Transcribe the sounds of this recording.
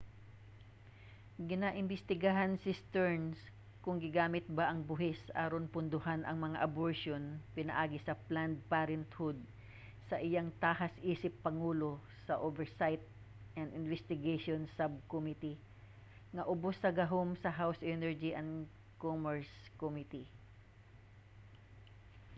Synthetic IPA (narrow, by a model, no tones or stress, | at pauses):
ɡɪnaʔɪnbɪst̪ɪɡaɦansɪst̪ɛɹns | kʊŋɡɪɡaːmɪt̪̚baʔɐŋbʊɦɪsʔa̰ːɾonpʊnd̪ʊhanʔɐŋmɐŋaʔɐboɹʃonpɪnɐ̰ʔaːɡɪsɐpland̪̚paːɾɛnt̪hʊd̪̚ | sɐʔɪjaŋt̪aːɦɐsʔiːsɪpːɐŋuːlo | sɐʔovɛɹsajt̪̚ | ʔɐnd̪ɪnvɛst̪ɪɡeʃonsab̚komit̪i | ŋɐʔʊbosɐɡɐɦo̞msɐɦawsʔɛnɛɹd͡ʒiʔɐn | komɛɹskomit̪i